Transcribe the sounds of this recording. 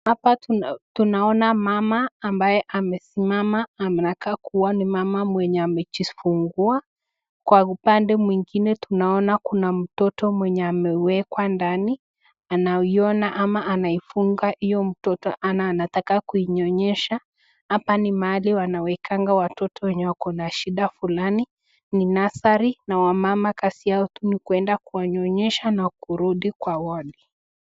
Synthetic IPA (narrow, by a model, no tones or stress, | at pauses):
hapattunaɔnamamaːmbajɛʔamɛsimamaːmɛtakakuwanimamamwɛɲɛamɛt͡ʃifuŋɡua | kwaupandɛmwiŋɡinɛtunaɔnakunam̩tɔtɔmwɛɲɛamɛwɛkwandani | anaiɔnaʔamaʔanaifuŋɡaʔijɔm̩tɔtɔʔanaːnatakakuiɲɔɲɛʃa | hapanimaːliwanawɛkʰaŋɡawatɔtʰɔwɛɲɛwakɔnaʃiɗafulani | ninasaɾinawamamakasiaɔtunikuɛndakuwaɲɔɲɛʃanakuɾuɗikwawali